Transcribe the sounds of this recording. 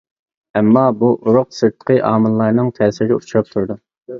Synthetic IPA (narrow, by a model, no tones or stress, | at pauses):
ɛmːɑbuʔuɾʊq̚sɨɾt̪ʰːə̥qʰəʔɑːmɨlˠːɑɾnɨŋt̪ʰɛːsɪɾɪɡʲɛut͡ʃʰuɾɑp̚t̪ʰuɾd̪u